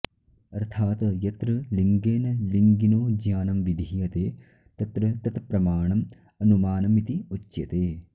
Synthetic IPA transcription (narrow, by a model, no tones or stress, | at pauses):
ɐɾt̪ʰaːt̪jɐt̪ɾɐliŋɡeːnɐliŋɡinoːd͡ʒjaːnɐmʋid̪ʱijɐt̪eː | t̪ɐt̪ɾɐt̪ɐt̪pɾɐmaːɳɐm | ɐnumaːnɐmit̪iut͡ʃːjɐt̪eː